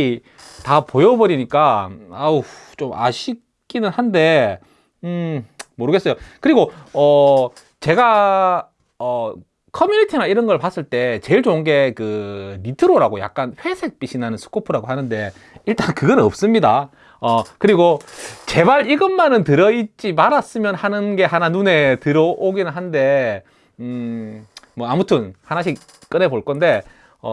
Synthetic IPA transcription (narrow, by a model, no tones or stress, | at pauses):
tapojʌbʌɾiɲik͈aat͡ɕoma̰ɕʰi | k͈inɯnhande̞ | moɾɯɡe̞s͈ʌjokɯɾiɡoʌ | t͡ɕe̞ɡa | ʌ | kʰʌmjunitʰinaiɾʌnɡʌɭpas͈ɯɭt͈e̞t͡ɕe̞iɭt͡ɕoŋɡe̞kɯɾitʰɯɾoɾaɡoja̰k̚k͈anɸwe̞sʰe̞k̚p͈iɕʰinanɯnsʰu̥kʰopʰɯɾaɡohanɯnde̞ | iɭt͈ankɯɡʌnʌp̚s͈ɯmɲida | ʌkɯɾiɡot͡ɕe̞baɾiɡɯnmːanɯntɯɾʌit͡ɕ͈imaɾas͈ɯmjʌnhanɯnɡe̞hananune̞tɯɾʌʔoɡinɯɭɦande̞ | mwʌamutʰɯnhanaɕ̬ʰik̚ | k͈ɯne̞boɭk͈ʌnde̞ | ʌ̰